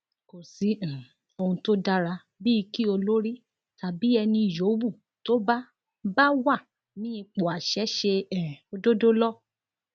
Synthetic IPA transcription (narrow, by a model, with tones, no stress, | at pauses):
ko˨sĩ˨˦˨ | o˧ũ˧to˦da˦ɾa˧ | bi˦i˧ki˦o˧lo˦ɾi˦ | ta˨bi˨˦ɛ˧nĩ˧˨jo˨˦bu˦˨ | to˦ba˦ | ba˦wa˦˨ | nĩ˦ĩ˧k͡po˨a˨ʃɛ˨˦ʃe˧ɛ̃˨o˧do˦do˦lɔ˦